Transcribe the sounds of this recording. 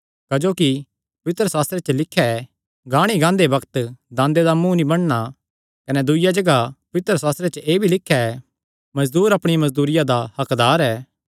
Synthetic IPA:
kɐd͡ʒoːki | pɐʋɪt̪ɾəsaːst̪ɾet͡ʃəlɪkʰːaɛ | ɡãːɽ̃iɡãːnd̪ebɐkt̪d̪ãːnd̪ed̪amũːnibɐɽ̃ña | kɐnɛd̪ʊɪjad͡ʒɐɡapɐʋɪt̪ɾəsaːst̪ɾet͡ʃəʔeːbʱilɪkʰːjaɛ | mɐzd̪uːɾɐpɽ̃ɪjamɐzd̪uːɾɪjad̪ahɐkd̪aːɾɛː

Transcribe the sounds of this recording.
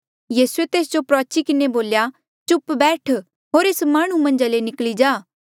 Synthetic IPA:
jiːsuet̪eːs̬d͡ʒopɾɔːt͡ʃikɪneboːlja | t͡ʃʊpbɛːʈʰ | ɦoːɾeːsmaːɽ̃ũmɐ̃nd͡ʒalenɪklid͡ʒaː

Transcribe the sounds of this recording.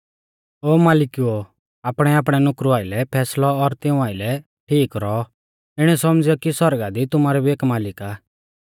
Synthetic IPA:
oːmaːlɪkio | aːpɽ̃ɛaːp̬ɽ̃ɛnʊkɾuaːɪlɛpʰɛːslɔːɾt̪ɪũaːɪlɛ | ʈʰiːkɾɔ | ɪɽ̃ɛsɔmd͡zɪɔkisɔɾɡad̪it̪ʊmaːɾɛbieːkmaːlɪkaː

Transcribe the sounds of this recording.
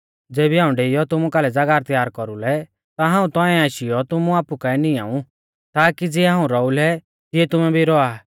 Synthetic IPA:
d͡zeːbiɦãːũɖeːɪjɔt̪ʊmukaːlɛd͡zaɡaːɾt̪jaːɾkɔɾulɛ | t̪aɦãːũt̪ɔ̃ɛ̃aːʃɪjɔt̪ʊmuaːpukaɛnia̰ːũ | t̪aːkid͡ziɛɦãːũɾɔulɛ | t̪ɪɛt̪ʊmɛ̃bʱiɾɔaː

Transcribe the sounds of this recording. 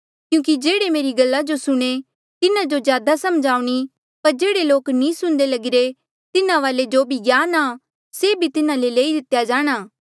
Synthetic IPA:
kjũːk̬id͡ʒeːɽemeːɾiɡɐlːad͡ʒosʊɽ̃e | t̪ɪnãd͡ʒozjaːd̪asɐmd͡ʒaːuɽ̃i | pɐɾd͡ʒeːɽeloːknĩːsʊ̃ɽ̃d̪elɐɡɪɾe | t̪ɪnãʋaːled͡ʒoːbʱiɡjaːna | seːbʱit̪ɪnãleleːid̪ɪt̪jad͡ʒaːɽ̃aː

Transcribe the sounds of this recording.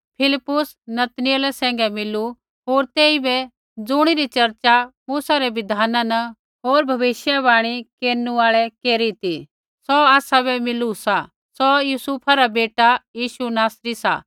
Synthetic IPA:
pʰɪlɪpːʊs | nɐt̪nɪjəlɛsɛ̃ːŋɡɛmɪlu | ɦoːɾt̪eːibɛ | d͡zʊɽ̃iɾit͡ʃɐɾt͡ʃamuːsaɾɛʋɪd̪ʱaːnãnɐ | ɦoːɾbʱɐʋɪʃjaβaːɽ̃ikeːɾnuaːɭɛkeːɾit̪i | sɔaːsaβɛmɪlusa | sɔjusuːpʰaɾabeːʈajiːʃunaːsɾisa̰

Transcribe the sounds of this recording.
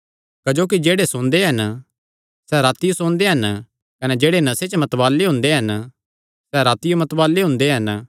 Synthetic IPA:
kɐd͡ʒoːk̬id͡ʒeːɽesʊɽ̃d̪eɦɐn | sɛɾaːt̪ɪjosʊɽ̃d̪eɦɐn | kɐnɛd͡ʒeːɽenɐset͡ʃmɐt̪baːlːeɦʊ̃ːnd̪eɦɐn | sɛɾaːt̪ɪjomɐt̪baːlːeɦʊ̃nd̪eɦɐn

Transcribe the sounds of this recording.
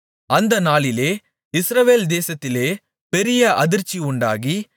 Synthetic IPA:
ɐnd̪ɐnaːlɪleː | ɪsɾɐʋeːld̪eːsɐt̪ːɪleː | pɛɾɪjɐʔɐðɪɾt͡ʃːiʊɳɖaːɣi

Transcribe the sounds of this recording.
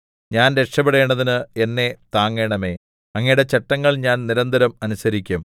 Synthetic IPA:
ɲaːnɾe̞kʂɐpːeɽeːɳɖɐðinɨe̞nːe̞t̪aːŋːe̞ːɳɐme̞ː | ɐŋːɐjuɽe̞t͡ɕɐʈːɐŋːɐɭɲaːnniɾɐnd̪ʱɐɾɐmɐnusɐɾikʲːum

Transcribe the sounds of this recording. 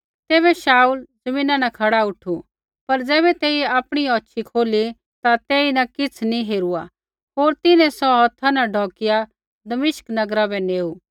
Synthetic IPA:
t̪ɛːβɛʃaːuːld͡zɐmĩːnãnɐkʰɐɽaʊʈʰu | pɐɾd͡zɛːβɛt̪eːiaːpɽ̃iɔːtːʃʰikʰoːli | t̪at̪eːinɐkɪt͡sʰnĩɦeːɾua | ɦoːɾt̪ɪnɛ̃sɔɦɔt̪ʰːanaɖʱɔːkɪja | d̪ɐmɪʃknɐɡɾabɛneːu

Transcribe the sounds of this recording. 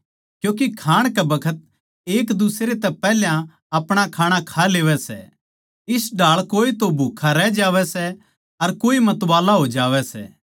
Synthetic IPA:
kjõːk̬ikʰaːɽ̃kɛbɐkʰət̪̚ | eːkd̪ʊsɾet̪ɛpɛɦljã | ɐpɽ̃akʰaːɽ̃akʰaleːʋɛsɛ̰ | ɪsɖʱaːɭkoːit̪obʱuːkʰaɾɛd͡ʒaːʋɛsɛ | ɐɾkoːimɐt̪ʋaːlaɦod͡ʒaːʋɛsɛ̰ː

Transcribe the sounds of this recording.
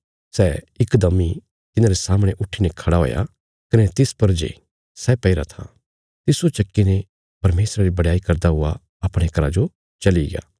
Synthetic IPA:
sɛː | ɪkd̪ɐmːi | t̪ɪnãɾesaːmɽ̃eʔʊʈʰːinekʰɐɽaɦo̰ːja̰ | kɐnet̪ɪspɐɾd͡ʒḛ | sɛːpɐɪɾa̰t̪ʰa̰ | t̪ɪsot͡ʃɐkːine | pɐɾmeːsɾaɾibɐɽaːikɐɾd̪aɦʊa̰ | ɐpɽ̃ekɐɾad͡ʒo | t͡ʃɐliɡɪja̰ː

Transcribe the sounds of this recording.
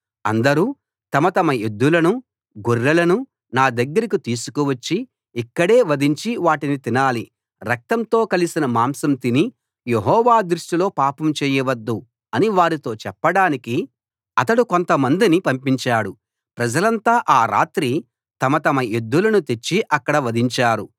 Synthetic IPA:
ɐ̰nd̪ɐɾu | t̪ɐmɐt̪ɐmɐjud̪ːulɐnu | ɡuɾːɐlɐnu | naːd̪ɐɡːɐɾikit̪iːsu̥kuʋɐt͡ʃːiː | kːɐɽe̞ːʋɐd̪ʱiɲt͡ʃiʋaːʈinit̪inaːli | ɾɐk̚t̪ɐmt̪o̞ːkɐlisinɐmaːmsɐmt̪ini | jeɦɔːʋaːd̪ɾuʂʈilo̞ːpaːpɐmt͡ʃeːjɐʋɐd̪ːu | ɐniʋaːɾit̪o̞ːt͡ʃɛpːɐɽaːniki | ɐt̪ɐɽuko̞nt̪ɐmɐnd̪inipɐmpiɲt͡ʃaːɽu | pɾɐd͡ʒɐlɐnt̪aːʔaːɾa̰ːt̪ɾi | t̪ɐmɐt̪ɐmɐjed̪ːulɐnut̪e̞t͡ʃːiʔɐkːɐɽɐʋɐd̪ʱiɲt͡ʃaːɾu

